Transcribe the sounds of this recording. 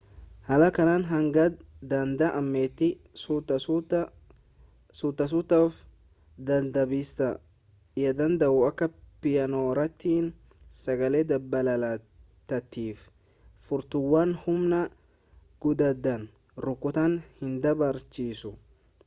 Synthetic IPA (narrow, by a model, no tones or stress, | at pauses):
hɐlɐkɐnaːnɦɐŋɡɐd̪ɐnd̪ɐʔɐmːeːt̪ːɪ | sʊt̪ːɐs̬ʊt̪ːɐf | d̪ɐnd̪ɐbiːst̪ɐ | ɪjɐd̪ɐnd̪ɐʔʊɐkːɐpɪjɐnoːɾɐt̪ːiːn | sɐɡɐleːd̪ɐbːɐlɐlɐ | t̪ːɐt̪ːiːf | fʊɾt̪ʊwːanhʊmnɐ | ɡ̥ʊd̪ɐd̪ːɐn | ɾʊkːʊt̪ɐnhɪnd̪ɐbɐɾt͡ʃiːsʊ